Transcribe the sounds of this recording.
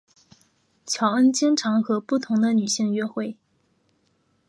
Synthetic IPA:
t͡ɕʰjɑ˧˥ʊə˥nt͡ɕjɛ˥nʈ͡ʂʰɑ˧˥ŋxɤ˧˥pu˥˩t̪ʰʊ˧˥ŋd̪ə˧ny˨˩ɕi˥˧ŋɥɛ˥xwe˥˩ɪ

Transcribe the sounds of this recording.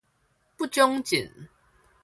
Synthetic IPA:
pu˥˨t͡ɕjɔ˦ŋt͡ɕi˨˩˦n

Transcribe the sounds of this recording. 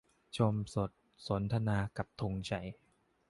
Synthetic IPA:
t͡ɕʰo˧mso˨˩t̪̚ | so˩˦nt̪ʰa˧naː˧ka˨˩p̚t̪ʰo˧ŋt͡ɕʰa˨˩j

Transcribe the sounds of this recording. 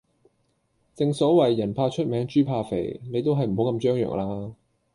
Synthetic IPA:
t͡sɪ˨˧ŋsɔː˨˥wɐ˨jːɐ˨˩npʰaː˧t͡ʃʰɵ˥t̚mɛː˨˥ŋt͡ʃyː˥pʰaː˧fḛ˨˩jne˨˧jt̪̬o˥wɦɐ˨jm̩˨˩ho˨˧˥kɐ˧mt͡ʃœː˥ŋjœ̰ː˨˩ŋlaː˧

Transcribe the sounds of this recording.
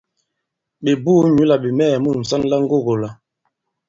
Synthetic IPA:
ɓe˨buː˦ɲu˦la˨ɓe˨mɛː˦˨mu˦˨n̩˨sa˦n˦la˦ŋ̩˦ɡo˦˨ɣo˨la˨

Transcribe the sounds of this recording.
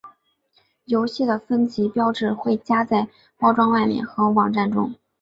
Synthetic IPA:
jo˧˥ʊɕi˥˩d̪ə˩fə˥nt͡ɕʰi˧˥pjɑ˥ʊʈ͡ʂɻ̩˥˨˩xwe˥˩ɪt͡ɕja˥t͡sa˥˩ɪ | pɑ˥ʊʈ͡ʂwɑ˥ŋwa˥˧ɪmjɛ̰˥˩nxɤ˧˥wɑ˨˩ŋʈ͡ʂa˥˩nʈ͡ʂʊ̰˥ŋ

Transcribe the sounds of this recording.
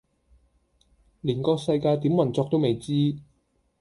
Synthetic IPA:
liː˨˩nkɔː˧sɐ˧jkaː˧jt̪iː˨˥mwɐ˨˩nt͡sɔː˧k̚t̪o˥wme˨˩jt͡siː˥

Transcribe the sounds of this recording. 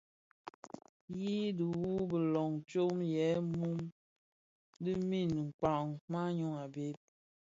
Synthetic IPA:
ji˦du˨wu˦bə˨lɔ˨ŋ˨t͡ʃo˦mjɛ˨˦mu˦m | di˦mi˦˨n˨ŋ̩˨k͡pa˨ŋma˦ɲo˦ŋa˨be˦p̚

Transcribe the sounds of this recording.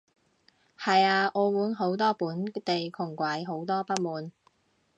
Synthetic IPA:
hɐ˨jaː˧ʔɔː˨˧muː˨˥nɦo˨˥wt̪ɔː˥puː˨˥nt̪e˨jkʰʊ˨˩ŋkʷɐ˨˥jɦo˨˥wt̪ɔː˥pɐ˥t̚muː˨˧n

